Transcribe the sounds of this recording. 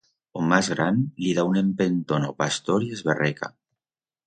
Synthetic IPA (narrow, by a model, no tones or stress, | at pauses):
omazɣ̞ɾanliðaunempent̪onopast̪oɾiezβerɛka̰